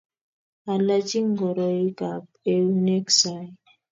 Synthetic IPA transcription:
a˨la˦t͡ʃi˦ŋɡɔ˨ɾɔ˨i˦ka˨p̚ | e˦u˦ne˦ksa˨˦˨

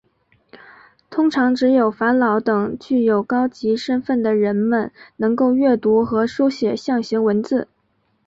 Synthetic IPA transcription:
t̪ʰʊ˥ŋʈ͡ʂʰɑ˧˥ŋʈ͡ʂɻ̩˧˥jo˨˩ʊfa˧˥nlɑ˧˥ʊt̪ɤ˨˩ŋt͡ɕy˥˩jo˨˩ʊkɑ˥ʊt͡ɕi˧˥ʂə˥nfə˥˩nd̪ə˩ɻə˧˥nmə˧nnɤ˧˥ŋko˥˧ʊɥɛ˥˩t̪u˧˥xɤ˧˥ʂu˥ʊɕjɛ˨˩ɕjɑ˥˩ŋɕi˧˥ŋwə˧˥nt͡sɹ̩˥˩

